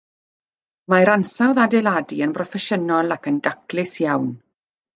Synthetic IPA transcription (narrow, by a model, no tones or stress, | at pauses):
majɾansawðadɛladiənprɔfɛʃənɔlˠakəndaklɪsjawn